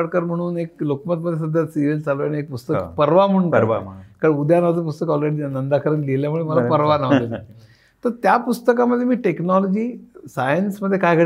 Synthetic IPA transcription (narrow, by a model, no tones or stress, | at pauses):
əɽkəɾm̤əɽ̃uːneklokmət̪məd̪ʱːjes̬əd̪ʱːəsiʋelt͡saloaɽ̃iek̚pust̪əkpəɾʋam̤əunkəɾa̰kaɽud̪ʱjanaʋd͡zəp̬ust̪əkɔlɾeɽinənd̪akʰəɾənleljamuɭeməlapəɾʋanaʋ̪et̪ | t̪əɾt̪japust̪əkaməd̪ʱːjemiːʈeknɔlɔd͡ʑiːsajənsməd̪ʱjekajkə